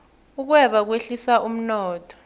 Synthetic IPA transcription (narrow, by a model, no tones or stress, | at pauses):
uk̬wɛɓak̬weɬisaʔum̩nɔːtʰɔ̥